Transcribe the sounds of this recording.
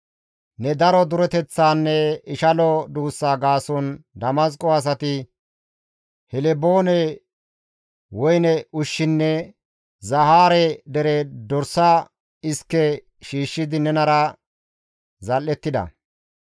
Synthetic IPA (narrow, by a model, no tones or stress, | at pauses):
nɛd̪ɐɾɔd̪ʊɾɛt̪ɛt͡sːaːnːɛɪʃɐlɔd̪uːsːaːɡaːsɔnd̪ɐmɐs̬kʼːɔɐs̬ɐt̪ɪ | hɛlɛboːnɛ | wɔjnɛʊʃːɪnːɛ | zɐhaːɾɛd̪ɛɾɛd̪ɔɾsa | ɪskːɛ | ʃiːʃːɪd̪ɪnɛnɐɾɐ | zɐlːɛt̪ːɪd̪ɐ̰